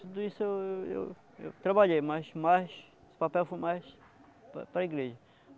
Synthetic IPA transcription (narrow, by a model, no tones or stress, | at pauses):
t̪ud̪ʊisʊeweḛw | ḛwt̪ɾɐbaʎejmɐzmajʃ | esʊ̥papɛwfojmajʃ | ppɾɐiɡɾeʒɐ